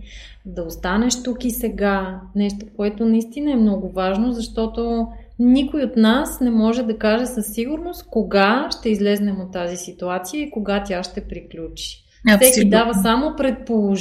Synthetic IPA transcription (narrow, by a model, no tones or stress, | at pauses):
d̪ɐost̪anɛʃt̪ukisɛɡanɛʃt̪okoɛt̪onɐist̪inəɛmnɔɡʊvaʒnozɐʃt̪ɔt̪o | nikʊiot̪nasnɛmɔʒɛd̪ɐkaʒɛsɐsːiɡʊɾnost̪koɡaʃt̪ɛizlɛznɛmot̪ːazisit̪uat̪sijəikoɡat̪ʲjaʃt̪ɛpɾiklʲut͡ʃi̥ | fsɛkid̪avəsamopɾɛt̪̚polˠoʒ